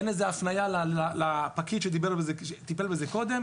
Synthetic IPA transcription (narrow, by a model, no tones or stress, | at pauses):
enezeafnajalaalapakid̪ʃed̪ibeʁbezeʃet̪ipelbezeko̞d̪em